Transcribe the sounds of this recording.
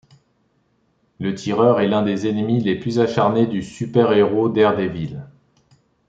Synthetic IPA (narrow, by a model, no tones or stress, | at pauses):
lət̪ʰiʁœʁɛlɛ̃d̪ezenmileplyzaʃaʁned̪ysypɛʁeʁod̪ɛʁd̪evil